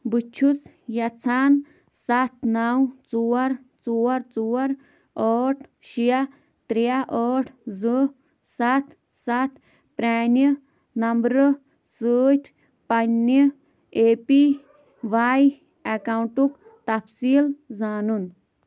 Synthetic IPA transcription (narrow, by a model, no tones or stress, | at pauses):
but͡ʃʰut͡s | jɐt͡sʰaːn | sat̪̚ʰnawt͡suːɐɾ | t͡suwɐɾt͡suːɐɾ | ɔːʈʰʃija | t̪ɾijaʔɔːʈʰzɨ | sat̪ʰ | sat̪ʰ | pɾaːni | nɐmbɾɨ | səːt̪ʰ | pɐnːi | eːpi | ʋaːj | ɐkawɳʈuk | t̪ɐpsiːlzaːnun